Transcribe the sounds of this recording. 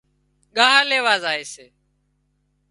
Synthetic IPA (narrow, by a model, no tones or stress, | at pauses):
ɠaːɦaːleːʋaːzaːeːseː